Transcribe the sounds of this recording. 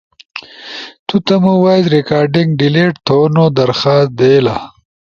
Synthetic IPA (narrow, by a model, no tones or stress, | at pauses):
t̪ut̪ɐmuwajt̪ɾikaːɾɖiŋɡɖileːʈt̪ʰonod̪ɐɾxaːs̚d̪ela̰